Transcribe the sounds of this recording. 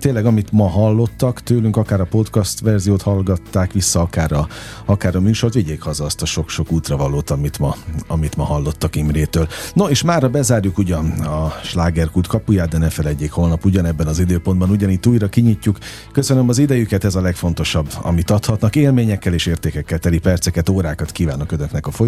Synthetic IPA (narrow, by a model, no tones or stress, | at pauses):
t̪eːnlɛɡɒmit̪mɒɦɒlːo̞t̪ːɒkt̪øːlyŋkɒkaːɾɒpo̞t̪kɒst̪ʋɛrzijoːt̪hɒlɡɒt̪ːaːkʋisːɒɒkaːrɒ | ɒkaːɾɒmyːʃo̞rt̪ʋiɟeːkhɒzɒːst̪ɒʃo̞kʃo̞kuːt̪rɒvɒlːoːt̪ɒmit̪mɒɒmit̪mɒɦɒlːo̞t̪ːɒkimreːt̪øːlnoeːʃmaːrːɒbɛzaːrjukuɟɒnɒʃlaːɡɛrkult̪kɒpujaːd̪d̪ɛnɛfɛlɛɟːeːkho̞lnɒpuɟɒnɛbːɛnɒzid̪øːpo̞nd̪bɒnuɟɒniːt̪ːuːjɾɒkiɲicːuk | kːøsønømɒzid̪ɛjykɛt̪ɛzɒlɛkfo̞n̪t̪o̞ʃɒbːɒ̰mit̪ɒt̪hɒt̪nɒkeːlmeːɲɛkːɛleːʃeːrt̪eːkɛkːɛlt̪ɛlipɛrt̪sɛkɛt̪oːɾaːkɒt̪kiːvaːnːɒkønøknɛkɒfoj